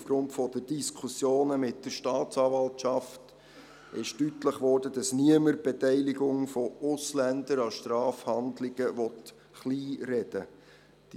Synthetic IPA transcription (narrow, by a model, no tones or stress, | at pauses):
ufɡ̥ɾʊntfɔd̥əd̥iskʰusjoːnəmɪt̚d̥əɾʃtɑːt̪t͡sɑːvɑltt͡ʃɑft | ɪʃtytləχʋɔːrd̥əd̥ɑsniəməɾb̥ɛtɛɪlɪɡʊŋfɔʊslændəɾɑʃtrɑːfhɑndlɪɡ̥əʋɔt | χliːɾɛd̥ə | d̥i